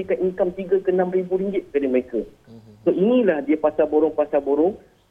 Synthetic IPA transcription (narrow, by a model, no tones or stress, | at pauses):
ikaniŋkamt̪iɡəkəənãmribuɾiŋɡɪt̪̚kadəməɾekə | soinĩlahdiəpasaboɾɔŋpasaboɾɔŋ